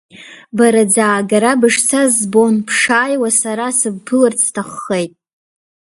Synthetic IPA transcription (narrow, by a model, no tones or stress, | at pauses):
baɾad͡zaːɡaɾabɨʂt͡sʰazbonpʰʂaːjwasaɾasɨbːʰɨlɨrt͡sʰtʰaχːejtʼ